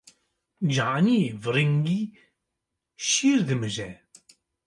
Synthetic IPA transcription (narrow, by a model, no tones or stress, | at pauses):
d͡ʒaʕnivɨɾiŋɡi | ʃiːɾd̪ɨmɨʒɛ